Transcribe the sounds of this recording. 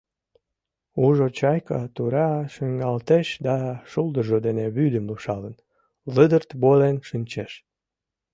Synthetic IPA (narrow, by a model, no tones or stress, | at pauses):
uʒot͡ɕɑjkɑt̪uɾɑʃəŋɑlt̪eʃd̪ɑʃuld̪əʒod̪eneβyd̪əmluʃɑlən | ləd̪ərt̪bolenʃɨnʲt͡ɕeʃ